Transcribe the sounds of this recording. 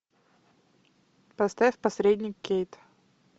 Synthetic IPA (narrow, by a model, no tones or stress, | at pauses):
pɐst̪afʲpɐsɾʲedʲnʲɪkʲːejt̪